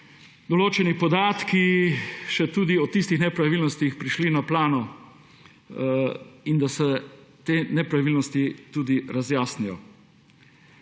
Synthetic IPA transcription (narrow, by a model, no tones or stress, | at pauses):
d̪ɔloːt͡ʃɛnipɔd̪aːt̪kiʃɛt̪uːd̪iɔt̪ist̪ixnɛpɾaʋiːlnɔst̪ixpɾiʃlinaplaːnɔ | ind̪asɛt̪eːnɛpɾaʋiːlnɔst̪it̪uːd̪iɾazjaːsnijɔ̰